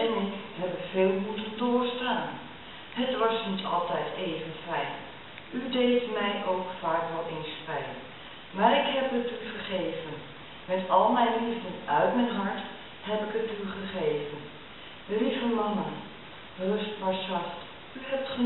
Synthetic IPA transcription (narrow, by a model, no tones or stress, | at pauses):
ɛnɪkɦɛbəfeːlˠmutəndoːɹstaːn | ɦətʋɑsnitʰɑ̰lˠtɛjtʰejvənfɛjn | ydejtmɛjʔowkfaːkʋɛlˠɪnsprɛjə | maːɾɪkɦɛpɦətːuχəχejvən | mɛtɑlˠmɛjnlivdənœɥtmɛjnɦɑɹt | hɛpɪkɦətːuχəχeːvən | dərivəmɔnən | bərøstʋɑsɑst | yɦɛp̚tχə